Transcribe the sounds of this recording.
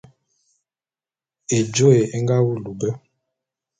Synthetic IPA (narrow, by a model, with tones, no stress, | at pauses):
e˨d͡ʒo˦e˨e˦ŋɡa˦wu˦lu˨bɛ˦